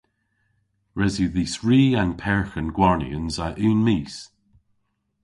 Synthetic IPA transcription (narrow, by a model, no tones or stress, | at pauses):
ɹɛziðiːsɹiːãnpʰɛɹxənɡwaɹnḭənzaʔʉːnmiːs